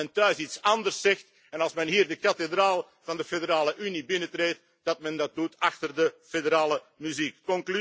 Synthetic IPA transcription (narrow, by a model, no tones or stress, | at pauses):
ɛntœɥsitsɑndərsɛxt | ɛnɑlˠsmɛnɦiːrdəkɑtedraːlˠ | v̥ɑndəfedəɾaːləʔynibɪnətreːt | d̥ɑt̚mɛndɑt̚dutɑxtərdəfedəɾaːlə | myzikːɔŋkly